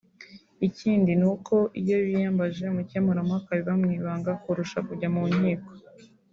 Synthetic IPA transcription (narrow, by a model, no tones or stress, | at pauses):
iciːndinuko̞ʔijo̞βijaːmbaʒe̞mucamuɾamakaβiβamŋiːβaːŋɡakuɾuʃakuɟamuɲiːko̥